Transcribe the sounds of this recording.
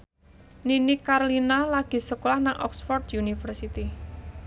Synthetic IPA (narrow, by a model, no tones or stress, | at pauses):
ninikarlinalaɡ̥i̤səkolahnaŋʔɔ̰ksfɔrt̪junifərsit̪i